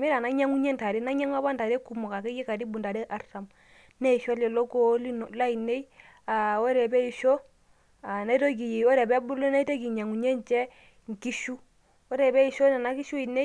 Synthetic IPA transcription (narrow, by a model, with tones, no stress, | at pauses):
mi˦ɾa˨na˦ɲa˦ŋu˦ɲe˦nta˨ɾi˦na˦ɲa˦ŋa˦ba˦nta˨ɾe˦ku˨mɔ˨ka˨kɛ˦jɛ˦ka˨di˦bu˨nda˨ɾɛ˦ʔa˨ɾsa˨m | nɛ˦i˨ʃɔ˦lɛ˨lo˦ko˦li˦n˨la˦i˨ne˦i˦ | a˨o˦ɾɛ˨bɛ˦i˨ʃo˦ | a˨na˦i˦to˦ɡ̬i˨jwɔ˦ɾɛ˨bɛ˦bu˦lɔ˦na˦i˦to˦ɡi˨ɲa˨ŋu˨ɲe˦nt͡ʃɛ˦ | ŋ˨ki˦ʃu˦ | ɔ˦ɾɛ˨bɛ˦i˨ʃo˦na˨na˦ki˦ʃu˦i˨ne˦